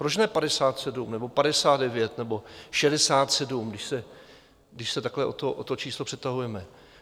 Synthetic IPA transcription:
pɾot͡ʃnɛpadɛsaːt̪sɛdumnɛbo̞padɛsaːd̪̚dɛvjɛt̪nɛbo̞ʃɛdɛsaːt̪sɛdumɡdɪʃsɛ | ɡdɪʃsɛt̪aklɛʔot̪oʔot̪ot͡ʃiːslopr̥ɛt̪aɦujɛmɛ

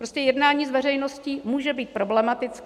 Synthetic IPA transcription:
pɾoscɛjɛdnaːɲiːzvɛr̝ɛjno̞sciːmuːʒɛbiːt̪̚pɾo̞blɛmat̪ɪt͡sk

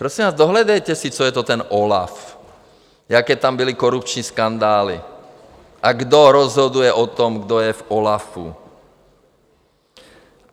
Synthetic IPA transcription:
pɾɔsĩmʋaːzd̪ɔɦlɛd̪ɛjcɛsit͡ʃɔjɛt̪ɔt̪ɛnʔɔla̰f | jakɛːt̪ambilikɔɾupt͡ʃɲiskand̪aːlḭ | ʔaɡd̪ɔɾɔzɦɔd̪ujɛʔɔt̪ɔmɡd̪ɔjɛvɔlafṵ

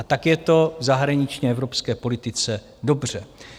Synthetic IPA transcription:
at̪akjɛt̪o̞vzaɦɾaɲɪt͡ʃɲɛɛvɾo̞pskɛːpo̞lɪt̪ɪt͡sɛ | do̞br̝̥ɛ

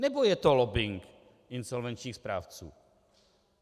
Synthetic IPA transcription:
nɛbojɛt̪olobɪŋk | ʔɪnzolvɛnt͡ʃɲiːxspɾa̰ːft͡sṵː

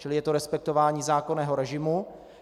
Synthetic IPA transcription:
t͡ʃɪlɪjɛt̪oɾɛspɛk̚t̪ovaːɲiːzaːko̞nɛːɦoɾɛʒɪmu

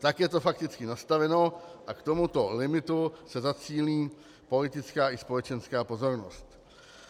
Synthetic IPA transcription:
t̪akjɛt̪o̞fakt̪ɪt͡skɪnast̪avɛno̞ʔakt̪o̞mut̪o̞lɪmɪt̪usɛzat͡siːliː | po̞lɪt̪ɪt͡skaːʔɪspo̞lɛt͡ʃɛnskaːpo̞zo̞ɾno̰st̪

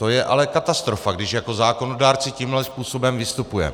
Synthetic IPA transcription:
t̪o̞jɛʔa̰lɛkat̪ast̪ɾo̞faɡdɪʃjako̞zaːko̞no̞daːɾt͡sɪciːmɦlɛspuːso̞bɛmvɪst̪upujɛ̰

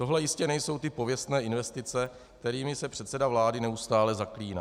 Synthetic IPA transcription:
t̪o̞ɦlɛjɪscɛnɛjso̞wt̪ɪpo̞vjɛst̪nɛːɪnvɛst̪ɪt͡sɛ | k̚t̪ɛɾiːmɪsɛpr̝̥ɛt̪sɛdavlaːdɪnɛust̪aːlɛzakliːna̰

